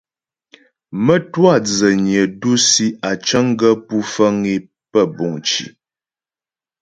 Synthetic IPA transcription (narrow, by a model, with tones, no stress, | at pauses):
mə˦twa˦˨d͡zə˨ɲə˨du˦si˦a˨t͡ʃə˦ŋ˦ɡə˦pu˦fə˦ŋi˦ | pə˦˨bɔ˨ŋt͡ʃḭ˨